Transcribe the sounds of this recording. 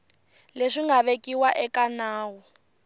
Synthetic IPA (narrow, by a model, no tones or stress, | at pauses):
leʂiŋɡaβekiwaʔɛkanaːwɔ